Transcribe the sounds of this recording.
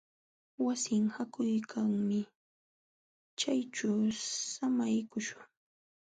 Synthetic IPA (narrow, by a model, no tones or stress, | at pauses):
wasɪŋhakʊjkʰaŋmɪ | t͡ʃajt͡ʃawsamajkʊʃʊŋ